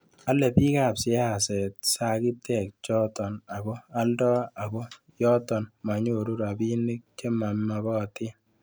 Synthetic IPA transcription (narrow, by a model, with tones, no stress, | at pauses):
a˦lɛ˨pi˦ka˨psɪ˦a˦˨sɛ˨t̚sa˦ki˦tɛ˨k̚t͡ʃɔ˦tɔ˨na˨kɔ˦a˦ldɔ˦a˨kɔ˦ | jɔ˦tɔ˨nma˨ɲo˨ɾu˦ɾa˨bi˦ni˦k̚t͡ʃe˦ma˨mma˨kɔ˦˨tɪ˦